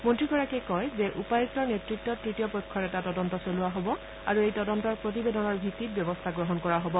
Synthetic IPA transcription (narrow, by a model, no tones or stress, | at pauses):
montɹiɡɔɹakɛkɔjzɛʔupajɛsɔɹnetɹikt̚tːɔtɹitijɔpɔjkʰːɔɹɛtatɔdɔntɔsoluaɦobɔ | aɹuejtɔdɔntɔɹpɹot̬ibedɔnɔɹbʱitːit̚bjɔbɔstʰaɡɹɔɦɔnkɔɹaɦobɔ